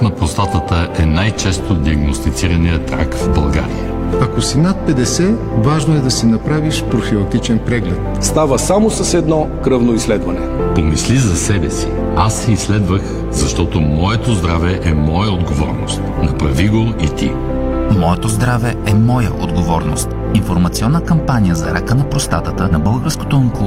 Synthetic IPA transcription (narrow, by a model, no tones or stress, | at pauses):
nɐpɾost̪at̪ət̪əʔɛnajt͡ʃɛst̪od̪iɐɡnost̪it̪siɾɐnijət̪ɾa̰kvbɐlˠɡa̰ɾḭjə̰ | ɐkosinat̪̚pɛd̪ɛsɛ | vaʒnoɛd̪ɐsinɐpɾaviʃpɾofilˠɐk̚t̪it͡ʃɛnpɾɛɡlɛt̪ | st̪avəsamosəsɛd̪nɔkɾɤvnoislɛd̪vɐnɛpomislizɐsɛbɛsi̥ | asːɛisːlɛd̪vəx | zɐʃt̪ɔt̪omɔɛt̪ozd̪ɾavɛʔɛmɔjəod̪ɡovɔ̰ɾno̰st̪nɐpɾɐviɡoit̪i | mɔɛt̪ozd̪ɾavɛɛmɔjə̰ʔo̰d̪ɡovɔɾno̰st̪ | infoɾmɐt̪siɔnːəkɐmpanijəzɐ̰ɾʔa̰kənɐpɾost̪a̰t̪ət̪ənɐbɤlˠɡəɾsko̥t̪onko